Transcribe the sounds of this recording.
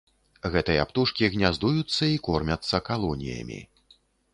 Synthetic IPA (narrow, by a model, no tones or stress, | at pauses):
ɣɛt̪ɨjɐapt̪uʂkʲiɣnʲazd̪ujut̪sːɐikɔrmʲɐt̪sːɐkalˠɔnʲḭjɐ̰mʲḭ